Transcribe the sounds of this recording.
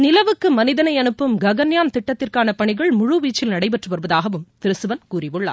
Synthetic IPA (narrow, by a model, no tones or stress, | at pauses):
nɪlɐʋɯkːɯmɐnɪðɐnɐɪɐnɯpːɯmɡɐɣɐnjaːnt̪ɪʈːɐt̪ːɪrkaːnɐpɐɳɪɣɐɭmʊɻuʋiːt͡ʃːɪlnɐɽɐɪpɛʈrɯʋɐɾɯʋɐðaːɣɐʋɯmt̪ɪɾɯsɯʋɐnkuːrɪʋɯɭːa̰ː